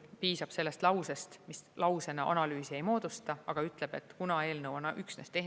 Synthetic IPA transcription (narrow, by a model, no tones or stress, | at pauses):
piːsɑb̥se̞lːe̞st̪lɑwse̞st̪mislɑwse̞nɑʔɑ̰nɑlyːsie̞jmo̞ːd̪̥ust̪ɑɑɡ̥ɑyt̪ˑle̞b̥e̞t̪ːˑkunɑe̞ːlnɤwɑnɑʔyksne̞st̪e̞h